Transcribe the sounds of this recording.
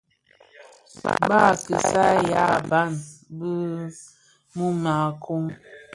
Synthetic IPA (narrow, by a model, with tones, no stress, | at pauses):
ba˦˨kə˨sa˦ja̰˦˨ba˦˨nbə˦ | mu˦ma˨kʰo˦m